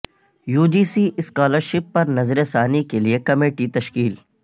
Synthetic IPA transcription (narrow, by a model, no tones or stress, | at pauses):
juːd͡ʒiːsiʔɪskaːləɾʃɪpːɐɾnɐzɾesaːnikeliekɐmeːʈit̪ɐʃkiːl